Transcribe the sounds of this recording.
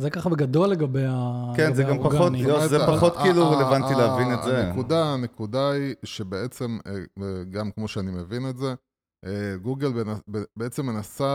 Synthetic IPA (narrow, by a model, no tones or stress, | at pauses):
zekaχabeɡado̞lːeɡabejakenzeɡampaχotozepaχot̪kiːluʁelevant̪ileavinezekudaːnekudaiʃe̞beet͡se̞meɡamkmo̞ʃeanimevinetze̞ | ɡuɡelbenabebeet͡semːenasa